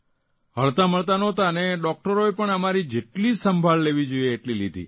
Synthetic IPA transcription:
ɦəɭt̪aməɭt̪anɔt̪aəneɖɔk̚ʈəɾoepəɳəmaɾid͡ʒeʈlisəmbʱaɭleʋid͡ʒoieːʈlilid̪ʱḭ

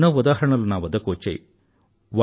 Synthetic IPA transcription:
nɐʋɐd̪aːɦɐɳɐlunaːʋɐd̪ɐkoːt͡ʃḛj | ʋa

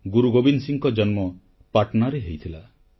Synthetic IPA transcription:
ɡuɾuɡobinsiŋkɔd͡ʒɔnmɔ | paɾʈɔnaɾeɦejt̪ʰila

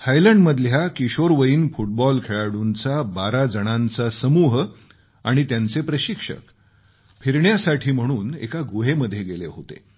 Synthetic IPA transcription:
hajləɳɖməd̪ʱljakiɕoɾʋəiːnfuʈ̚bɔlkʰeɭaɽunt͡sabaɾad͡zəɽ̃ant͡sasəmuːɦ | aɽ̃it̪jant͡sepɾəɕikʂə̰k | fʰiɾɳjasaʈʰiːm̤əɽ̃uːnḛkaɡuɦeməd̪ʱːjeɡelḛɦot̪ḛ

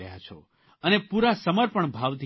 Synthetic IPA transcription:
əja̰t͡ʃʰo̰ | ənepuɾasəməɾpəɳbʱaʋt̪ʰ

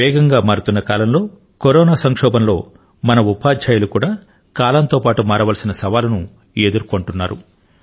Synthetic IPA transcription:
ɛːɡɐŋɡaːmaːɾut̪unːɐkaːlɐmlo̞ː | koɾɔːnaːsɐŋkʂɔːbɐmlo̞̰ː | mɐnɐupaːd̪ʱd͡ʒaːjulukuːɽaː | kaːlɐnt̪o̞ːpaːʈumaːɾɐʋɐlɐsinɐsɐʋaːlɐnu | ed̪uɾko̞ɳʈunːaːɾu

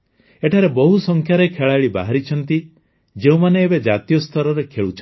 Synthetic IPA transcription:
eʈʰaɾebɔɦusɔŋkʰjaɾekʰeɭaɭiba̰ɦaɾit͡ʃʰɔnt̪i | d͡ʒeũmaneːbed͡ʒat̪ijɔst̪ʰɔɾɔɾekʰeɭut͡ʃʰ

